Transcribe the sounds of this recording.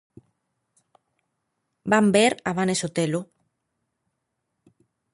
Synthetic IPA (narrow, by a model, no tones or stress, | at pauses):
bambeɾaβ̞anesot̪elo